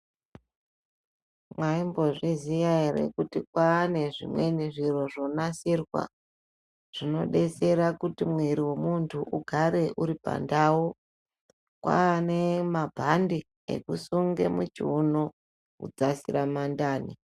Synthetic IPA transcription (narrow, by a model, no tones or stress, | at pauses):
mwaimbo̞ʐizijaeɾḛkutikwaːne̞ʐḭmwe̞niʐiro̞ʐo̞nasirwa̰ | ʐ̥ino̞̰ɗe̞se̞ɾakutimwiɾiwe̞muntʰuʔuɡʱaɾe̞ʔuɾipa̰ndau | kwa̰nemabʱandi | ḛkusuŋɡe̞̰mut͡ʃiuno | kṵd͡zasiɾamandaːnḭ